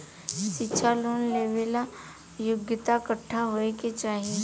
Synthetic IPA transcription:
ʃɪtːʃʰaloːnleːʋela | jʊɡjət̪akəʈʰːaɦoeket͡ʃaːɦie

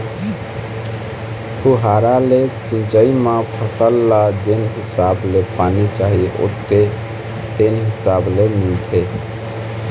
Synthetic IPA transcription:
pʰuɦaɾalesĩnt͡ʃəimãpʰəsəlːad͡ʒenɦisablepanit͡ʃaɦio̰t̪ːe | t̪enɦisablemilt̪ʰe

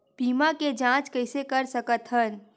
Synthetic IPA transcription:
piːmaked͡ʒãːt͡ʃkəɪsekəɾsəkət̪ɦən

